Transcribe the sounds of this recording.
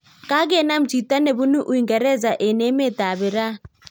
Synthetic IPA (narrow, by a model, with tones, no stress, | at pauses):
ka˦ɡe˦˨na˦m̩˨t͡ʃi˨ta˦ne˨βu˦nu˦ʔu˨i˨ŋɡɛ˨ɾɛ˦˨za˨ʔe˨ne˨˦me˦˨ta˨βɪ˨ɾa˦